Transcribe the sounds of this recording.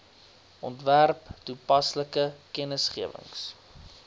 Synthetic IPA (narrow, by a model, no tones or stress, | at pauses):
ʔɔntværptupɐsləkəkɛnəsχiəvə̰ŋs